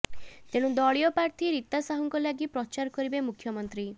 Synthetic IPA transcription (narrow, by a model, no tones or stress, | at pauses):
t̪eɽ̃ũd̪ɔɭijɔpaɾt̪ʰiɾit̪asaɦɔŋkɔlaɡipɾɔt͡ʃaɾɔkɔɾibemukʰjɔmɔnt̪ɾi